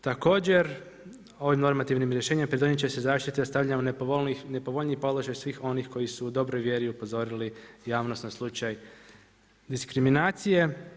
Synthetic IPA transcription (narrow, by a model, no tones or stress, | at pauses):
t̪ako̞ːd͡ʑe̞ɾ | o̞ʋimno̞ɾmat̪iʋnimɾje̞ʃeɲimapɾed̪o̞ɲet͡ɕesezaːʃt̪it̪iost̪aʋʎaunepoinepo̞ʋo̞ʎnipo̞dlˠoʒajsʋiːxo̞nixko̞jisuːd̪o̞bɾo̞jʋje̞ɾiupo̞zo̞ɾilijaːʋno̞snoslˠut͡ʃaj | d̪iskɾiminaːt̪sije̞